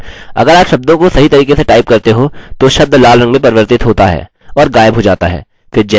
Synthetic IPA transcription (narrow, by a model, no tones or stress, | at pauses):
ɐ̰ɡəɾaːpʃɐb̚d̪õkosɐɦit̪ɐɾiːkeseʈaːɪp̚kɐɾt̪eɦot̪oʃɐb̚d̪ʱlaːlɾɐ̃ŋɡmẽpɐɾʋəɾt̪ɪt̪ɦoːt̪aɦɛ̰ː | ɔːɾɡaːɪbɦod͡ʒa̰ːt̪a̰ɦɛ̰ː | fɪɾd͡ʒɛ